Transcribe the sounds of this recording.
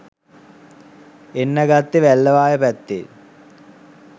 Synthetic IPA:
enːəɡat̪ːeʋælːəʋaːjəpæt̪ːḛ

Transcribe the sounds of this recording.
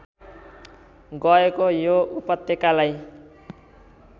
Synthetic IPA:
ɡʌekojoupʌt̪ːjekalaj

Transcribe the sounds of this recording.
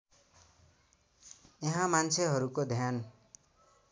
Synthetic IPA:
jeɦãmant͡sʰeɦʌɾukod̪ʱjan

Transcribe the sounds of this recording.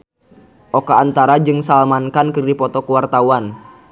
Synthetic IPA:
ʔokaːnt̪aɾad͡ʒɨŋsalmankankɨrdipɔt̪ɔkuwart̪auan

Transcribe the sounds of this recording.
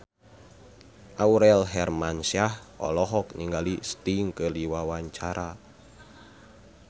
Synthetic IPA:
ʔauɾɛlɦɛrmansahɔ̰lɔɦɔkniŋɡalist̪iŋkəliwawaɲt͡ʃaɾʔa

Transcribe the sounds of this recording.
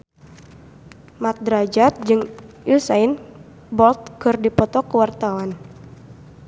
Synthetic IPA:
mat̪̚dɾad͡ʒat̪̚d͡ʒɨŋʔusajn | bɔlt̪̚kɨrdipɔt̪ɔkəwart̪awan

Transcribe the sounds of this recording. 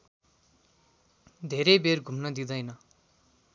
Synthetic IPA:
d̪ʱeɾʌjberɡʱumnʌd̪id̪ʌjnʌ

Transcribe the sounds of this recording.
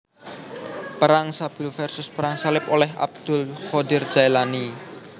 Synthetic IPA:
pəɾaŋsab̥ʊ̤lfɛrsʊspəɾaŋsalɪpolɛɦʔa̰b̚d̪̥ʊ̤lχɔdɪr̥d͡ʒ̥aelani

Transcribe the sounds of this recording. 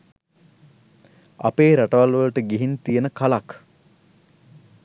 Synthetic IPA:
ɐ̰peːɾaʈəʋalʋələʈəɡiɦint̪ijənəkalak

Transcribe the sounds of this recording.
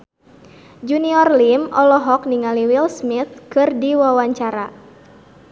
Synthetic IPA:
d͡ʒuniɔrlimɔlɔɦɔk̚niŋaliwilsmiθ̚kɨrdiwawaɲt͡ʃaɾa

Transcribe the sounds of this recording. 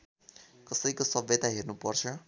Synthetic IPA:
kʌsʌɾikosʌbʌt̪aɦernupʌrt͡sʰʌ

